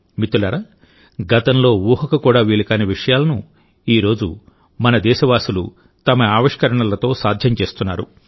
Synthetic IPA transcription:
mit̪ːulɐːɾa | ɡɐt̪ɐmlo̞ːʋuːɦɐkɐkuːɽaːʋiːɭɐkaːneʋiʂɐjaːlɐnu | iːɾo̞ːd͡ʒu | mɐnɐd̪ɛːʃɐʋaːsulṵ | t̪ɐmɐaːʋiʂkɐɾɐɳɐlɐt̪o̞ːsaːd̪ʱjɐmt͡ʃe̞ːst̪unːa̰ːɾṵ

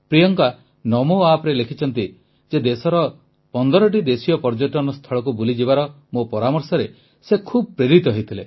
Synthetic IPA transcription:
pɾijɔŋka | nɔmoapɾelekʰit͡ʃʰɔnt̪i | d͡ʒed̪esɔɾɔ | pɔnd̪ɔɾɔʈ̬id̪esijɔpɔɾd͡ʒoʈɔnɔst̪ʰɔɭɔk̬ubulid͡ʒibaɾɔ | mopɔɾamɔɾsɔɾe | sekʰubɔpɾeɾit̪ɔɦojt̪ʰile

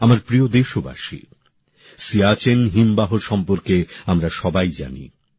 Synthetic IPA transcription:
amaɾpɾiod̪eʃoba̰ʃḭ | siat͡ɕenɦimbaɦoɾʃɔmpoɾkeamɾaʃɔbajd͡ʑa̰nḭ

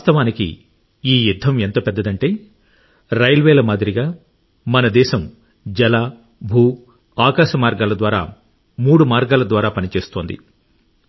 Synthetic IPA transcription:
aːst̪ɐʋaːnikḭ | iːjud̪ʱːɐment̪oːpɛd̪ːɐd̪ɐɳʈe̞ː | ɾɐjɐlʋɛːlɐmaːd̪iɾiɡaː | mɐnɐd̪ɛːʃɐm | d͡ʒɐlaː | bʱuː | aːkaːʃɐmaːɾɡaːlɐd̪ʋaːɾa̰ː | muːɽumaːɾɡaːlɐd̪ʋaːɾaːpɐnit͡ʃe̞ːst̪o̞ːnd̪ḭ

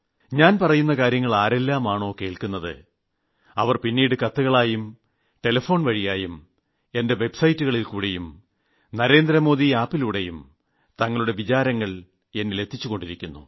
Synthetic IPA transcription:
ɲaːnpɐrɐjunːɐkaːɾjɐŋːɐɭaːɾe̞lːaːmaːɳo̞ːke̞ːɭkunːɐðɨ̰ | ɐʋɐrpinːiːɽɨkɐt̪ːuɣɐɭaːjum | ʈe̞lɐfo̞ːɳʋɐɻijaːjum | e̞nde̞ʋe̞bsɐjtːuɣɐɭilkuːɽe̞jum | nɐɾe̞ːnd̪ɾɐmo̞ːðiaːpːiluːɽe̞jum | t̪ɐŋːɐɭuɽe̞ʋit͡ɕaːɾɐŋːɐɭ | e̞nːele̞t̪ʰːit͡ɕːuɣo̞ɳɖiɾikʲːunːṵ

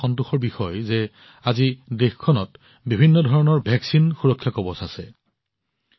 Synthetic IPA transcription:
ɔntuxɔɹbixɔjzɛ | azidexkʰːɔnɔt | bibʱinːɔdʱɔɹɔnɔɹbʱɛksinxuɹɔkʰːjakɔbɔsasɛ

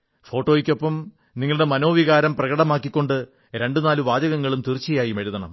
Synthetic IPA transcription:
fo̞ːʈːo̞ːjikʲːo̞pːɐm | niŋːɐɭuɽe̞mɐno̞ːʋiɣaːɾɐmprɐɣɐɽɐmaːkːikʲːo̞ɳɖɨ | ɾe̞ɳɖɨnaːluʋaːd͡ʑɐɣɐŋːɐɭumt̪irt͡ɕːijaːjimɐɻuðʱɐɳɐ̰m

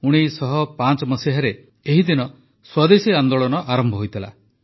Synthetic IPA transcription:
uɽ̃ijsɔɦɔpant͡ʃɔmɔsiɦaɾe | eɦid̪inɔ | swad̪esiand̪oɭɔnɔʔaɾɔmbʱɔɦojt̪ʰila̰

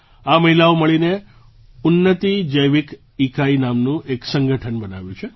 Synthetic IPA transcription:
aməɦilaoməɭine | ʊnːət̪id͡ʒəjʋik | ikʰainamnũʔeksə̃ŋɡəʈʰənbəna̰ʋjũt͡ʃʰe

